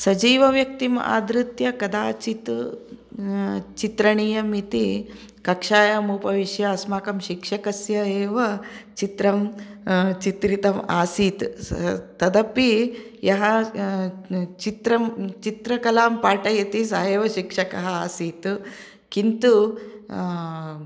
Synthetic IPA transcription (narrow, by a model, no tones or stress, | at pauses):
sɐd͡ʒiːʋɐʋjɐk̚t̪ima̰ːd̪ɾut̪jɐkɐd̪aːt͡ʃit̪ | t͡ʃit̪ɾɐɳiːjɐmit̪i | kɐkʂaːjɐmuːpɐʋiʃjɐːsmaːkɐmʃikʂɐkɐsjɐeːʋɐt͡ʃit̪ɾɐm | t͡ʃit̪ɾit̪ɐmaːsiːt̪ | t̪ɐd̪ɐpi | jɐɦɐ | t͡ʃit̪ɾɐmt͡ʃit̪ɾɐkɐlaːmpaːʈɐjɐt̪isaeːʋɐʃikʂɐkɐɦɐaːsiːt̪ | kint̪u